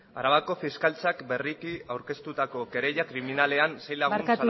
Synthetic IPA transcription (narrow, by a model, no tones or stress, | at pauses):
aɾaβako̞fiskalt͡sakbe̞rikiawɾke̞st̪ut̪ako̞ke̞ɾe̞ʎakɾiminale̞anse̞jlaɣuɾnatsu